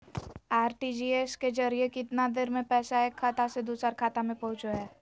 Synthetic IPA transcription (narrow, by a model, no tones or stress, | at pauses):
aːɾʈid͡ʒiːeːsked͡ʒɐɾijekɪt̪nad̪eɾmẽpɛːsaeːkʰːaːt̪ased̪uːsəɾkʰaːt̪amẽpɐɦʊ̃t͡ʃoɦɛː